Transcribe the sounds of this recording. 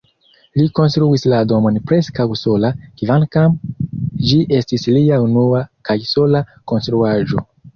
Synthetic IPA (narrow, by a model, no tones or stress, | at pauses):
liko̞nstɾuislado̞mo̞npɾeskawso̞lakivankam | d͡ʒiʔestisliaunuakajso̞lako̞nstɾuaʒo